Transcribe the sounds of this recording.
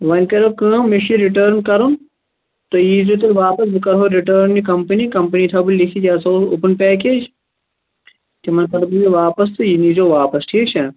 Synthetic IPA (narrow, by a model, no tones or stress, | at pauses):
ʋɐnʲkɐɾoːkə̃ːmiʃiɾiʈəːɾnkɐɾun | t̪ojiːzot̪̬ɐlʋaːpɐs̬bɨkɐɾɦoːɾiʈəːɾnːikɐmpɐnikɐmpɐniːt̪ʰɐbulʲlikʰid͡ʒaːsɐoʊpɐnpɛːk̬eːd͡ʒ | t̪imɐnkɐɾbuliʋaːpɐst̪ɨjinizoːʋaːpɐsʈʰiːʃʰɐ